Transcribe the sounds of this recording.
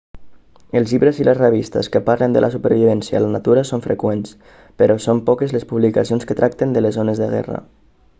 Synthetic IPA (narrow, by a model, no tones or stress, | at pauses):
əlˠzʎiβɾəziləzreβ̞ist̪ə̰skəpaɾlənd̪ə̰lʔasupəɾβiβ̞ɛnsjalanat̪uɾasoɱfɾḛkwens | pəɾɔsompɔkezlespuβlikasionskət̪ɾʔak̚t̪end̪ələzonəzðəɣɛ̰ra̰